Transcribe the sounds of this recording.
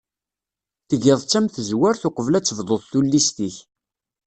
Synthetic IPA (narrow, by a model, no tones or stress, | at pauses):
θəʝɪðˤt͡sːæmθəzwæɾθʊqəvlæt͡sːəvðˤoθθulːist̪iç